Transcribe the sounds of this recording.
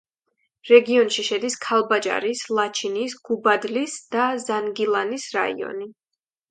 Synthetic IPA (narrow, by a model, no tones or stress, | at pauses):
ɾɛɡiɔnʃiʃɛd̪iskʰalˠbat͡ʃʼa̰ɾislˠat͡ʃʰinisɡ̥ubad̪lisd̪̥azanɡilˠanisɾa̰ḭɔ̰ni